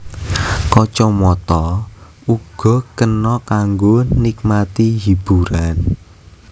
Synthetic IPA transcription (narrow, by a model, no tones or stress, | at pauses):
kɔt͡ʃɔmɔt̪ɔ | uɡ̥ɔ̤kənɔkaŋɡonik̚mat̪iɦib̥uɾan